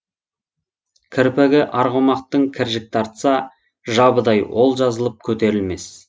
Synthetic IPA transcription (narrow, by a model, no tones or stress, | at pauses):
kʲʰɪɾpeɡʲɪʔɑɾʁomɑqt̪əɴkʲʰɪɾʒɪk̚t̪ʰɑɾt̪sɑ | ʒɑbəd̪ɑjwo̞lˠʒɑzəlˠəp̚kʲʰɵt̪e̞ɾɪlme̞s